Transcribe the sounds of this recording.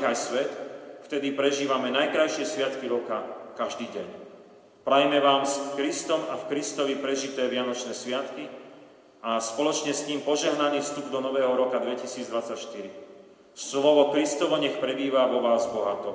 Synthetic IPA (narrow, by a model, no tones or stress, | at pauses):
ajsʋɛt̪ft̪ɛd̪ipɾɛʒiːʋamɛnajkɾajʃɪɛsʋɪat̪kiɾɔkakaʒd̪iːɟɛɲ | pɾajmɛʋaːmsfkɾist̪ɔmafkɾist̪ɔʋipɾɛʒit̪ɛːʋɪanɔt͡ʃnɛːsʋɪat̪ki | aspɔlɔt͡ʃɲɛst̪iːmpɔʒɛɦnaniːfst̪ubd̪ɔnɔʋɛːɦɔɾɔkad̪ʋɛcisiːd͡zd̪ʋat͡sːacʃt̪iɾi | slɔʋɔkɾist̪ɔʋɔɲɛxpɾɛbiːʋaʋɔʋaːzbɔɦat̪ɔ